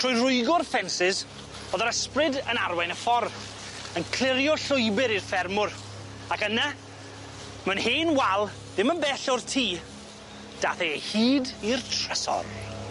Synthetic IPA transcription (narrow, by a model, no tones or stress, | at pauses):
tʰr̥ʊːjrʊɨɡʊrfɛnsɪz | oːðɔɾəsprɪdənarwɛjnəfɔr | ənkʰl̥ˠɪɾjɔɬʊjbɪɾirfɛrmʊr | akəna | mənheːnwalˠ | dɪmənbɛɬɔrtʰiː | d̥aːθɛhiːdirtʰr̥əsɔ̰r